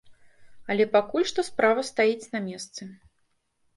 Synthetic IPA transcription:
ɐlʲɛpakulʲʂt̪ɔspɾavɐst̪ajit͡sʲnɐmʲɛst̪sɨ

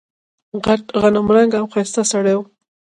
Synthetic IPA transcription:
ɣaʈɣanamɾaŋɡawxast̪asaɽew

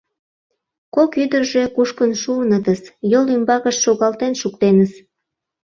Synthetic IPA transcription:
kokyd̪ərʒe̽kuʃkənʃuənət̪əsjolymbɑɣəʃʃoɣɑlt̪enʃukt̪enəs

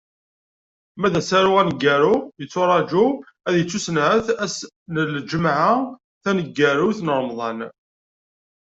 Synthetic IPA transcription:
mæðæsæɾuænəɡːæɾujət͡sːʊɾˤɑd͡ʒu | æðjət͡sːusənʕəθæs | nəld͡ʒəmʕa | θænəɡːæɾuθnəɾˤəmðˤɑn

